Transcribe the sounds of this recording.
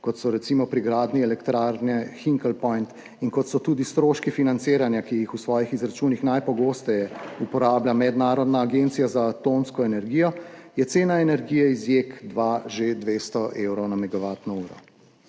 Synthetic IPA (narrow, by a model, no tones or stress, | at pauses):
kɔt̪sɔɾɛt̪simɔpɾiɡɾaːd̪niɛlɛkt̪ɾaːɾnɛxiŋkəlpɔjnt̪ | iŋkɔt̪sɔt̪uːd̪ist̪ɾoːʃkifinant̪seːɾanjakijixusʋɔːjixizɾat͡ʃunixnajpɔɡoːst̪ɛjɛupɔɾaːblamɛd̪naːɾɔd̪naːɡent̪sijazaːt̪omskɔɛnɛɾɡiːjɔjɛt̪seːnaɛnɛɾɡiːjɛizjekd̪ʋaʒed̪ʋest̪ɔʔewɾɔwnamɛɡaʋaːt̪nɔuːɾɔ̰